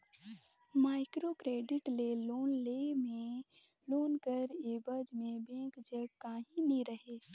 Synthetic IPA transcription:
maːɪkɾokɾeːɖɪʈleloːnleːmẽ | loːnkəɾeːbəd͡ʒmẽbẽːkd͡ʒəkaːɦĩniɾəɦe

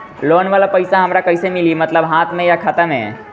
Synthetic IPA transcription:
lonʋalapəjsaɦəmɾakəjsemilimət̪ləbɦãt̪ʰmejakʰat̪amḛ

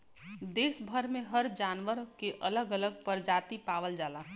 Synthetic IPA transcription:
d̪eːsbʱəɾmẽɦəɾd͡ʒaːnʋəɾkeʔələɡələɡ̚pəɾd͡ʒaːt̪ipaːʋəld͡ʒaːlaː

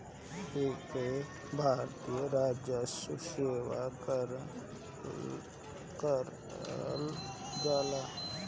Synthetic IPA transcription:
eːke | bʱaːɾt̪ijəɾaːd͡ʒjəsuseːwa̰ | kəɾ | ld͡ʒaːlaː

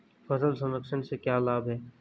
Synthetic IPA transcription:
fɐzəlsɐməksənsekjaːlaːbɦɛː

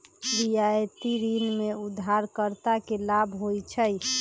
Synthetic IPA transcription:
ɾijajt̪iɾinmeud̪ʱːaɾkəɾt̪akelabʱɦojt͡ʃʰəj

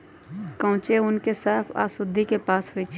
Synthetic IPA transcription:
kə̃ʊ̃t͡ʃeʊnkesaːpʰa̰ːsʊd̪ʱːikepaːsɦʊit͡ʃʰ

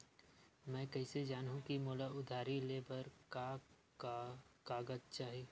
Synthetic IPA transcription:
mɛ̃ːkɐɪsed͡ʒaːnɦũkimoːlaʊd̪ʱaːɾileːbəɾka | kaːɡəd͡ʒt͡ʃaːɦieː

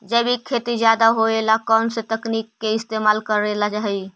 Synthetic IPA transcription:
d͡ʒəbʱikʰet̪id͡ʒjad̪aɦoelakənsẽt̪əknikːeist̪emalkəɾelad͡ʒaɦɛj

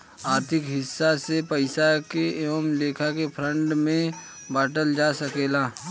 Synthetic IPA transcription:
aːɾt̪ʰɪkɦɪsːasepɐɪsakeeʋəmleːkʰakepʰɾə̃ɳɖmẽ | baːʈəld͡ʒaːsɐkeːlaː

